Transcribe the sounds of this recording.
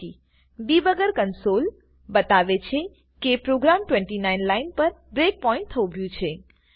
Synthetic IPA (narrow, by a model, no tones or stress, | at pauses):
i | bibəɡəɾkənsol | bət̪aʋet͡ʃʰe | kepɾoɡɾamʈwẽɳʈinainlainpəɾbɾek̚pɔĩɳʈ̚t̪ʰəũbʱjũt͡ʃʰe